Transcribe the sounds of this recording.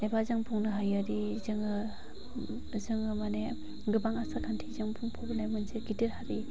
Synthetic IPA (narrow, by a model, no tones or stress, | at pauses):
nebazaŋpʰuŋnɯɦajaɾizɯŋɯ | zɯŋɯmane | ɡɯbaŋasakʰantʰizaŋpʰuŋpʰɔbnajmɯnseɡitiɾhaɾi